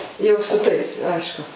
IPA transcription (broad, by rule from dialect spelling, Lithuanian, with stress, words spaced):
ˈjɛʊ sʊ ˈtɐɪs ˈɐɪʃkʊ